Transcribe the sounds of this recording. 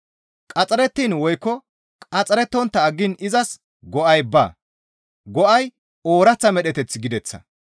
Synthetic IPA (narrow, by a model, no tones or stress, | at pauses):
kʼɐt͡sʼɐɾɛt̪ːiːnwɔjkːɔ | kʼɐt͡sʼɐɾɛt̪ːɔnt̪ːɐːɡːɪnɪzɐs | ɡɔʔɐjbɐ̰ː | ɡɔʔɐj | oːɾɐt͡sːɐmɛɗɛt̪ɛt͡sːɪɡɪd̪ɛt͡sːɐ̰